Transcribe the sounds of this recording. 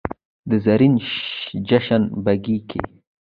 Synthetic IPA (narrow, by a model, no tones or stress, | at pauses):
d̪əzaɾinʃd͡ʒaʃanbaɡikʰḛ